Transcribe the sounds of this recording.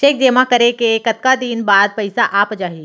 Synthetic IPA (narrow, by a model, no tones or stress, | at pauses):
ʃeːk̚d͡ʒeːmakɐɾekekɐt̪̚kad̪iːnbaːd̪̚pɐɪsaʔaːpd͡ʒaːɦiː